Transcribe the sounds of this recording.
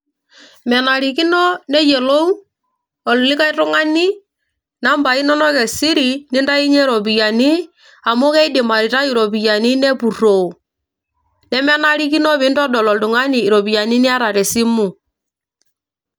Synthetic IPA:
mɛ˨na˨ɾi˨ki˦nɔ˦nɛ˦jɛ˨lo˦u˦ | ɔ˨llɪ˦ka˦i˦tʊ˦ŋa˦ni˦ | na˦mba˨i˦nɔ˦nɔ˦kɛ˨si˦ɾi˨nɪ˦nda˦i˦ɲɛ˦ɾɔ˨bi˨ja˨ni˦ | a˨mɔ˦kɛ˦i˦dɪ˨ma˨ɾi˨ta˦i˨ɾɔ˨bi˨ja˨ni˦nɛ˦pu˨ro˨u˨ | nɛ˦mɛ˦na˦ɾi˦ki˦nɔ˦βɪ˨˦ndɔ˦dɔ˨lɔ˨ldʊ˨ŋa˦niː˨ɾo˨bi˨ja˨ni˦nɛ˦a˦ɾa˨ɾɛ˨si˦mu˨

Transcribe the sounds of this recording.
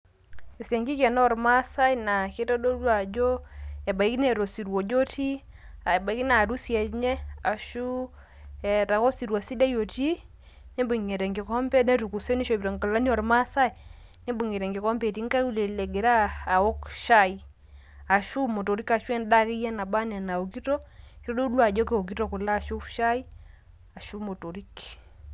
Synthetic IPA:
i˨sɛ˨ŋɡi˦kɛ˨nɔ˦˨ɾma˦sa˦jna˨ke˦tɔ˦do˦ɾwa˨d͡ʒo˦ɛ˨ba˨i˦kne˦˨ɾo˨si˨ɾwo˨d͡ʒo˦ti˦ | a˨ba˨i˦kna˨ɾu˦sjɛ˨tɲɛ˦a˨ʃu˦˨ | ta˨ko˦si˨ɾwa˨si˦da˦jo˨ti˦ | ne˦bu˨ŋe˨ɾɛ˨ŋɡɪ˨kɔ˦mpɛ˦nɛ˦ɾu˨ku˨se˦ni˦ʃo˨bi˨ɾo˨ŋkə˨la˦ni˦ɔ˨ɾma˦sa˦j | ne˦bu˨ŋe˨ɾɛ˨ŋɡe˨kɔ˦mbe˨ti˦ŋ˦ka˦u˦˨le˨le˨ɡe˨ɾaː˦˨o˦kʃa˦i˦ | a˨ʃu˦mo˨to˨ɾi˦ka˨ʃu˦ɛ˦nda˦kɪ˦jɛ˦na˨ba˦nɛ˨na˨o˨ki˦to˦ki˦ɾo˦do˦lwa˨d͡ʒɔ˦ke˨o˨k̬i˦to˦˨kʊ˨la˦˨ʃu˦ʃa˦i˦ | a˨ʃu˦mo˨to˨ɾi˦k

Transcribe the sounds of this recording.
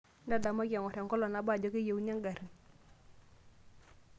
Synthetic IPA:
nda˦˨da˨ma˦ka˨ŋɔ˨ɾɛ˨ŋkɔ˦lɔ˨na˨ba˦˨d͡ʒɔ˦ke˦je˨wɲa˦ŋɡa˨ɾi˨ŋ

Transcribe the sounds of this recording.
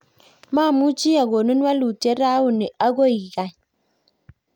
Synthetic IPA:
ma˦˨mu˦t͡ʃi˦ja˨ɡo˨nu˦n˦wa˦lu˨te˦ɾa˦wu˨ni˨ʔa˦ɡo˦i˨ɡa˨j

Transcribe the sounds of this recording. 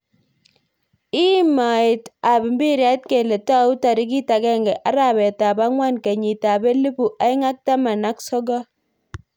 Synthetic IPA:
i˦ma˨ɪ˨ta˨bi˨mbi˦ɾja˦t̚ke˨le˨ta˦u˦ta˨ɾi˦k̬i˦ta˨kɛ˦ŋɡɛ˨ʔa˦ɾa˦˨bɛ˨ta˨ba˦ŋwa˦nke˨ɲi˨ta˨be˦li˦pu˨ʔa˦ɪ˦ŋa˦k̚ta˦ma˨na˦ksɔ˦ɡɔ˦

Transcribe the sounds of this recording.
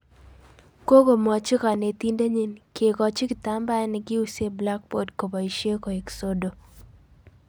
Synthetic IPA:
ko˦ɡo˨mɔ˨t͡ʃɪ˦ka˨ne˨t̪i˦nde˦ɲi˦nke˨kɔ˨t͡ʃɪ˦kɪ˨ta˦mba˦ɛ˦nɪɡɪ˦u˦se˦bla˦k̚bo˨dko˨ba˨i˨ʃje˦ko˨e˨kso˦do˨

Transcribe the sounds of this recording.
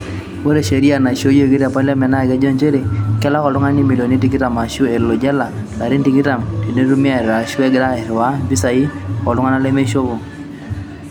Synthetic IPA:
wo˦ɾe˨ʃe˨ɾi˦a˦˨na˨ʃo˦jɡi˦ɾa˨pɔ˦la˦mɛ˨na˦˨ɡɛ˦d͡ʒɔ˦nt͡ʃe˦ɾe˨kɛ˦la˦kɔ˨lʊ˦ŋa˦ni˦mi˨lo˨ni˦ti˦ki˦ta˨ma˨ʃu˦e˨lo˨d͡ʒɛ˦la˨la˨ɾi˦n˦ti˨ki˦ta˨mti˨ne˦ɾu˦mi˦a˦ɛ˨ɾa˨ʃu˦e˦ɡɪ˦ɾa˦ɛ˨ɾwa˦bi˦sa˨ji˦kɔ˨lʊ˦ŋa˦na˦le˦me˦ʃo˦βo˨

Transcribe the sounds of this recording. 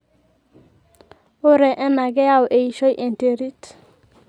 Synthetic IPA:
o˦ɾɛ˨ʔɛ˦na˨ɡɛ˦ja˦˨wʔe˨i˨ʃo˦jʔe˨nte˨ɾi˦t

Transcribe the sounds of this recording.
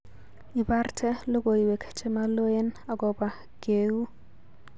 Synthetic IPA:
ɪ˨ba˦rtʰɛ˦lo˦ɡo˨i˨we˨kʰt͡ʃɛ˦ma˦lo˦e˦na˨ɡɔ˨ba˨ | ɡ̥e˨wu˦

